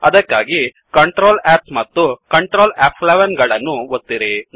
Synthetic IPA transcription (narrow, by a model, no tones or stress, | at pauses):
ɐd̪ɐkːaːɡi | kɐɳʈɾoːlɛːsmɐt̪ːukɐɳʈɾoːlaːpʰleʋɐnɡɐɭɐnːuot̪ːiɾi